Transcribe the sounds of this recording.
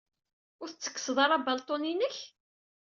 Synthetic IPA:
ʊɾθt͡sːə̥kːə̥sðˤɑɾˤɑbɑlt̪ˤoninəç

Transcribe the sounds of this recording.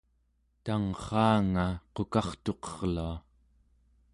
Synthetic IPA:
t̪aŋχɑːŋaqo̞kɑχt̪o̞qʌʁlua

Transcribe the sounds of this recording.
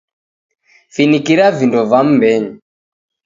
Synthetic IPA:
finikiɾavindɔvam̩mbɛɲi

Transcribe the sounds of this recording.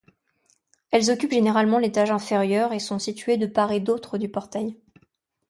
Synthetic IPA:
ɛlzɔkʲypʒeneʁalmɑ̃let̪aʒɛ̃feʁjœʁesɔ̃sit̪ɥed̪əpaʁed̪ot̪χəd̪ypɔʁt̪aj

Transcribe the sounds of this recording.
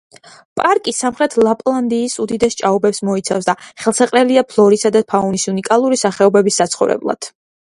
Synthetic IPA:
pʼaɾkʼisamχɾɛt̪ʰlˠapʼlˠand̪iːsud̪id̪ɛst͡ʃʼaɔbɛpsmɔit̪sʰafsd̪aχɛlˠsɛqʼɾɛliapʰlˠɔɾisad̪apʰaunisunikʼalˠuɾisaχɛɔbɛbisːat̪sʰχɔvɾɛ̰blˠa̰d̪̥

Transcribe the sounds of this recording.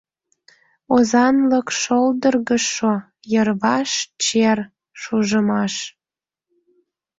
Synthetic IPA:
ozɑnləkʃold̪ərɣəʃo | jərβɑʃt͡ɕer | ʃuʒəmɑʃ

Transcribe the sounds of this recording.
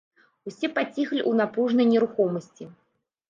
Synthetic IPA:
usʲɛpat͡sʲixlʲiʔunapɾuʐnɐjnʲɛɾuxɔmɐsʲt͡sʲi

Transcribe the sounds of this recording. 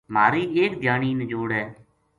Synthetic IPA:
maːɾiːeːkd̪ʱjaːniːnd͡ʒoːɽɦɛː

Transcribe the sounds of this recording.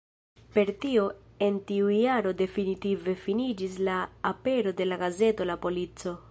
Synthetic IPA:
pe̞ɾtio̞e̞ntiujaɾo̞de̞finitive̞finid͡ʒislaːpe̞ɾo̞de̞laɡaze̞to̞lapo̞lit͡so̞

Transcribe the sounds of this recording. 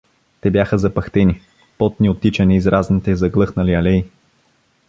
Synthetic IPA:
t̪ɛbjaxəzɐpɐxt̪ɛni | pɔt̪̚niot̪ːit͡ʃɐniːzɾʔaznit̪ɛzɐɡlˠɤxnɐliɐlɛj

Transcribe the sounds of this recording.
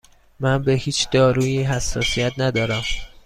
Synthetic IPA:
mænbe̞hiːt͡ʃʰd̪̥ɒːɾuːjiːɦæsːɒːsijæt̪ʰnæd̪ɒːɾæm

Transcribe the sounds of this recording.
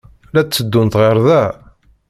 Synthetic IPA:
læt͡sːəd̪ːunt̪ʁeɾˤðæ

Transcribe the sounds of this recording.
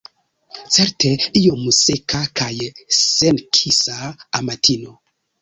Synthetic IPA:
t͡seɾteiomusekakajsenkʰisaːmatʰino

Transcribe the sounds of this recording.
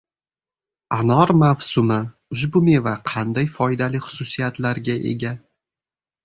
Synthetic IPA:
anɒɾmavsʊmɪ | ʊʃ̬bʊme̞vaqʰɑnd̪ajfɒjd̪alɪχʊ̥sʊsijat̪laɾɡʲaʔe̞̰ɡʲa

